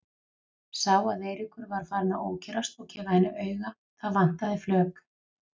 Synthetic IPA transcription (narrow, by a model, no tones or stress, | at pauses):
saːwaðeːjɾɪkʏɾvaɾ̥faːɾɪnaoːwcʰɛɾast̪ɔɣcʰɛːvahɛnːʏʔœːɥɣa | θaðvan̥t̪aðɪflœːk